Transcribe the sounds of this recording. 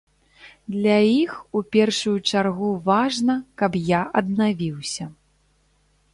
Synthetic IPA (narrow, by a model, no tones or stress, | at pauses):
d̪lʲaixupʲɛrʂujut͡ʂarɣuvaʐnɐkɐpjaʔɐd̪̚navʲiwsʲɐ